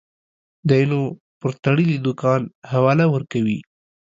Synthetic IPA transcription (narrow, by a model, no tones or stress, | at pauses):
d̪əino | pəɾt̪aɽəlid̪ʊkɑnhawɑlawəɾkawi